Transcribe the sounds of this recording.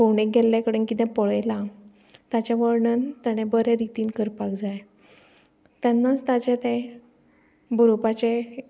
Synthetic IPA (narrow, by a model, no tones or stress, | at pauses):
owɳeɡʱɛlːɛ̃kəɽənkit̪ɛ̃pɔɭəjla | t̪at͡ɕaʋəɾɳənt̪jaɽ̃ebəɾeɾit̪iːnkəɾpakd͡zaj | t̪janːat͡st̪at͡ɕɛ̃t̪ɛ̃ | buɾopat͡ɕe